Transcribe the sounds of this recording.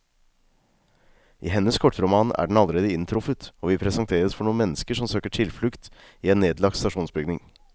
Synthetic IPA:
ʔḭːɦɛnəskʰɔʈːɾʊmɑːnæ̰ːɖɳ̩ɑləɾeːd̪əɪnt̪ʰɾʊfət̪oːʋɪpʰɾɛsɑŋt̪ʰeːɾəsfɔɳuːənmɛnːəskəʂɔmsøːkəʈʰɪlflʉkt̪ | iːeːnːeːd̪lɑɡ̪̚st̪ɑʂuːnsbʏɡnɪŋ

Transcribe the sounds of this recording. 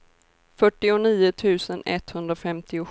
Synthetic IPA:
fœʈːɪʊniːʊt̪ʰʉ̟ːsənɛ̰t̪hɵnd̪ɾafɛmt̪ɪʊ

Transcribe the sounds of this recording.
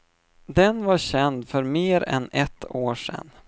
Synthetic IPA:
d̪ɛnvaɕɛnd̪fœɾmeːɾɛ̰nɛt̪ʰːoːʂɛ̰nː

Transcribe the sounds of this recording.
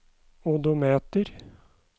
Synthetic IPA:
ʊd̪ʊmeːt̪əɾ

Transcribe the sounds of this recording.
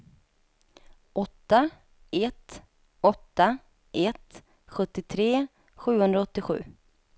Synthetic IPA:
ʔɔt̪ːa | ɛt̪ | ɔt̪ːa | ʔɛt̪ | ɧɵt̪ːɪt̪ʰɾeː | ɧʉ̟ːhɵnd̪ɾaɔt̪ːɪɧʉ̟ː

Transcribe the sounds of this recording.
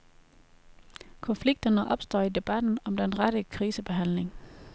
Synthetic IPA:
kʰɒ̽nfliɡ̥̚d̥ɐnəʔɒ̽b̥sd̥ɒ̰ːid̥e̝b̥æd̥n̩ɒ̽md̥enʁaɾ̥əkʰʁiːsəb̥e̝ɦæn̰le̝ŋ

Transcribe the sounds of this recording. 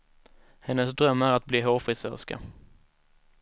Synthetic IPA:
hɛnːəsd̪ɾœmːæɾat̪̚bliːɦoːfɾɪsœ̰ːska̰

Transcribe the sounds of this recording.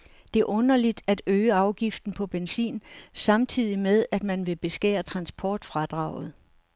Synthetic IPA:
d̥e̝æɐʔɔ̽nɐlid̥æd̥øːəɑ̈ʊɡ̥ifd̥n̩pʰɒ̽b̥ensḭːnsɑ̈mt͡sʰið̞̰ˠimeðˠæd̥mænʋe̝b̥e̝sɡ̥ɛ̰ːɐt͡sʰʁɑ̈nsb̥ʰɒːd̥fʁɑd̥ʁɑ̈ʊð̞̩ˠ

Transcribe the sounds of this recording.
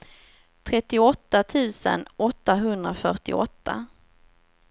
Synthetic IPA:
t̪ʰɾɛt̪ːɪɔt̪ːat̪ʰʉ̟ːsə̰nɔt̪ːaɦɵnd̪ɾafœʈɪ̰ɔt̪ːa̰

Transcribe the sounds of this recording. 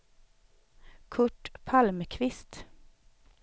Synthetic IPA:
kʰʊʈpʰɑlməkʰʋɪst̪

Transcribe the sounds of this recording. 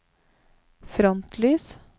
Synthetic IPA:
fɾɔnt̪ʰlyːs

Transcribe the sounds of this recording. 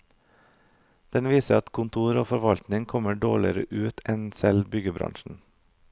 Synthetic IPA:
d̪̥ɛnʋiːsəɑt̪kʰʊnt̪ʰuːɾoːfɔɾʋɑlt̪nɪŋkʰɔməɖoːɭɪəɾə̰ʔʉːt̪ʰɛnsɛlbʏɡəbɾɑ̰ŋʃn̩

